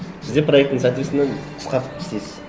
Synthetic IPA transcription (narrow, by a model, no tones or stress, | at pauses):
sɪzd̪epʰrojek̚t̪ːɪŋsæt̪ɪesɪnenqʰʊ̥sqɑt̪ə̥pʰɪ̥st̪esɪz̥